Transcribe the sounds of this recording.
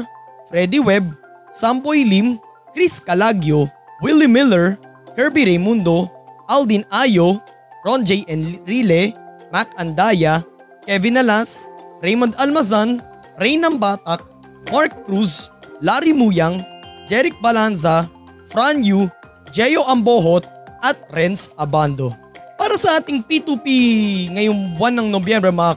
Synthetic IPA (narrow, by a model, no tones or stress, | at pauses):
fɾɛd̪iwɛb̚ | sambojlim | kɾiskɐlaɡjowɪlimɪlɛɹ | kɛɹbiɾɛjmund̪oʔald̪inaːjo | ɾond͡ʒɛjʔɛnɾilɛmakɐnd̪aːjɐ | kɛvɪnɐlasɾɛjmond̪almɐzan | ɾɛjnɐmbaːt̪ɐk̚ | maɹk̚kɾuslaɾimujɐŋd͡ʒɛɾɪk̚bɐlans̬ɐ | fɾanju | d͡ʒɛjo̞ʔɐmboɦot̪̚ʔɐt̪̚ɾɛnsɐband̪o̞ | paːɾɐsɐʔaːt̪ɪŋpit̪upiŋɐjoŋbwanːɐŋnobjɛmbɾɛmɐa